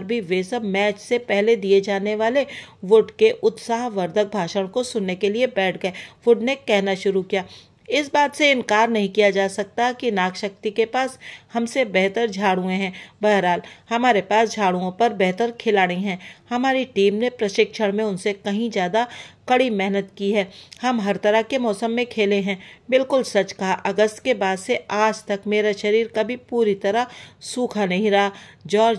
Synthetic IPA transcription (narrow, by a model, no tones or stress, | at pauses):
ɾbʱiʋesɐbmɛːt͡ʃsepɛɦled̪ied͡ʒaːneʋaːleʋʊɖkeʔʊt̪saːɦʋɐɾd̪ʱək̚bʱaːʃəɽ̃kosʊnːekeliebɛːʈʰɡɐeːʋʊɖnekɛɦnaʃʊɾukijaː | ɪsbaːt̪seɪ̃nkaːɾnɐɦĩkijad͡ʒaːsɐk̚t̪aɦkinaːkʃək̚t̪ikepaːshɐmsebɛɦt̪əɾd͡ʒʱaːɽũẽɦɛ̃ːbɐɦɾaːlhɐmaːɾepaːsd͡ʒʱaːɽũõpɐɾbɛɦt̪əɾkʰɪlaːɽeɦɛ̃ːhɐmaːɾiʈiːmnepɾɐʃɪkʃəɽ̃mẽʊnsekɐɦĩd͡ʒjaːd̪akɐɽimɛɦnət̪kiɦɛːhɐmɦɐɾt̪ɐɾəɦkemɔːsəmːẽkʰeːleɦɛ̃ːbɪlkʊlsɐt͡ʃkaɦaʔɐɡəsʈkebaːd̪seaːd͡ʒt̪ɐkmeːɾaʃɐɾiːɾkɐbʱipuːɾit̪ɐɾasuːkʰanɐɦĩɾɐɦad͡ʒɔː